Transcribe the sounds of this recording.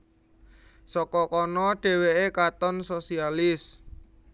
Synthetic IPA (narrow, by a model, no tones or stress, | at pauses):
sɔkɔkɔnɔɖ̥e̤weʔekat̪ɔnsosialɪs